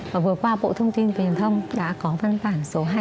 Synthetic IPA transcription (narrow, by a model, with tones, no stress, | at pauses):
vaː˨˩vɨ˨˩əkwaː˧ɓo̰˧˨t̪ʰə˧wŋ͡mt̪i˧nfi˨˩ənt̪ʰə˧wŋ͡mɗa̰ː˧˥kɔ˨˦va˧nt̪aː˧˩nso˨˦ɦa˧